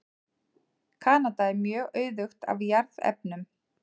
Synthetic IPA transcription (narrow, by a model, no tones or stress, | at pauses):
kʰaːnat̪aɛɾmjœːɣœːɥðʏxt̪a̰vjaɾðɛ̰p̚nʏm